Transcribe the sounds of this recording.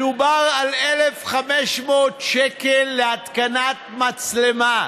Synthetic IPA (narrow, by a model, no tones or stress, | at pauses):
ubaʁalelefχameʃmo̞ːt̪ʃekelːeat̪kanat̪mat͡slema